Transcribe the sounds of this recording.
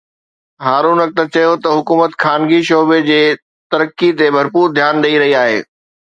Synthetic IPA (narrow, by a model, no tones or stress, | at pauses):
ɦaːɾuːnɐk̚t̪ɐt͡ɕɐjot̪ɐɦʊkuːmət̪xʰaːnɡiʃoːbed͡ʑeː | t̪ɐɾəkːit̪ebʱɐɾpuːɾd̪ʱjaːnɗɐiɾɐɦiaːɦḛː